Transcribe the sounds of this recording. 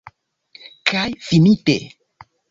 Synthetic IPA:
kajfinitḛ

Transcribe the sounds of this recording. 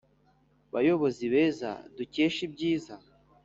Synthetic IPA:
βajo̞βo̞ziβe̞za̰duce̞ːʃib̚ɟiːza

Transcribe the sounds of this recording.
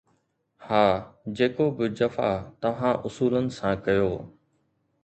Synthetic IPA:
haːd͡ʑeːkobɪd͡ʑɐfa̰t̪ɐʋ̤ãʔʊsuːlənɪ̆sãkɐjoː

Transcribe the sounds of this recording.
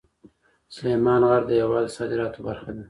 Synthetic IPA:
sʊlemɑnɣaɾd̪əjawɑd̪sɑd̪ɪɾɑt̪ʰobaɾxad̪a

